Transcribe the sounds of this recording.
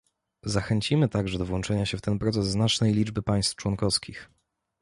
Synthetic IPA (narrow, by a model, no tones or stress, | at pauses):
zaxɛɲt͡ɕimɘt̪aɡʐɛd̪ɔvwɔnt͡ʂɛɲaɕɛft̪ɛnpɾɔt̪sɛzːnat͡ʂnɛjlʲid͡ʐbɘpaj̃st̪ft͡ʂwɔnkɔfskʲix